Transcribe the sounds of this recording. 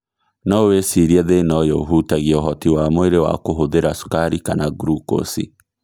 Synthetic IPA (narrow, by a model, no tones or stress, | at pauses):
nɔwesiɾiɛðenɔjɔoɦutaɣiɛoɦɔtiwamoeɾewa̰koɦoðeɾasu̥kaɾikanaɡuɾuko̰sḭ